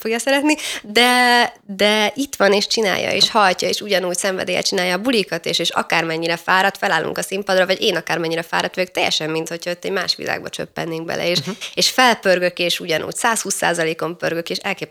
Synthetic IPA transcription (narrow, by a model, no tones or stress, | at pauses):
foɡjɒsɛɾɛt̪nid̪ɛd̪ɛʔit̪ʋɒneːʃt͡ʃina̰ːjɒ̰ḛːʃhɒlcɒeːʃuɟɒnuːcsɛɱvɛ̰d̪eːjɛ̰t͡ʃinaːjɒːbulikɒt̪ḛːʃeːʃɒ̰kaːrmɛɲːiɾɛfaːɾɒt̪fɛlaːlːṵŋkɒsimpɒd̪rɒvɒɟeːnɒkaːrmɛɲːiɾɛfa̰ːɾɒt̪ʋøːk̚t̪ɛjːɛ̰ʃɛmːint̪ho̞cʰɒot̪ːɛɟma̰ːʃʋḭla̰ːɡ̚bɒt͡ʃø̰pːɛ̰nːeːŋɡ̚bɛ̰lɛ̰eːʃeːʃfɛlpørɡøkeːʃuɟɒnʔṵːcsaːshuːsːa̰ːzɒleːko̞mpø̰rɡøkeːʃɛlkeːp